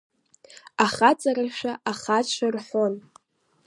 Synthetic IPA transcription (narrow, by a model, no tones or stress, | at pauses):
aχat͡sʼaraʃᶣaʔaχaʃʰʷarħʷon